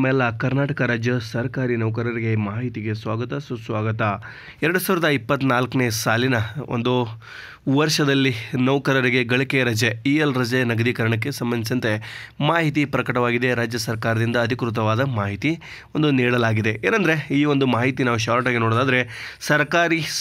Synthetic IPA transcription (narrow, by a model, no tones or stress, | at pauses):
mlːɐkɐɾnaːʈɐkɐɾaːd͡ʒjɐsɐɾɐkaːɾinɐwkɐɾɐɾiɡemaːɦit̪iɡe̞sʋaːɡɐt̪ɐsusʋaːɡɐt̪a | ɛɾɐɽusaːʋɾɐd̪ɐipːɐt̪ːnaːlkɐneːsaːlinɐo̰nd̪u | ʋɐɾʂɐd̪ɐlːinɐʋkɐɾɐɾiɡe̞ɡɐɭikejɐɾɐd͡ʒeiːelɾɐd͡ʒenɐɡɐd̪ikɐɾɐɳɐk̬ːe̞sɐmbɐnd̪isɐnt̪e̞ | maːɦit̪̬ipɾɐkɐʈɐʋaːɡid̪e̞ɾaːd͡ʒjɐsɐɾkaːɾɐd̪ind̪ɐːd̪ʱikɾut̪̬ɐʋaːd̪ɐmaːɦit̪i | o̞nd̪uniːɽɐlaːɡid̪e̞ʔḛːnɐnd̪ɐɾe̞iːʋo̞nd̪umaːɦit̪inaːʋuʃaːɾʈaːɡinoːɽd̪aːd̪ɐɾe̞sɐɾkaːɾi